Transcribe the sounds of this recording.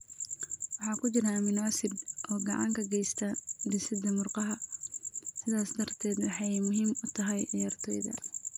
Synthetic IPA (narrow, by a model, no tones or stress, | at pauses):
wɑħɑːkʰʊt͡ʃɪɾamɪnɔːsɪd̪ʔɔːɡɑʕɑ̰ŋkʰɐɡɛjst̪ʰand̪ɪsɪd̪ɐmʊrqɑɦɐ | sɪðaːsd̪ɐrt̪ʰɛːd̪wɑħɑjmʊɦiːmʊt̪ʰɐɦɛjʕɪjaːrt̪ʰɔːjðɐ̰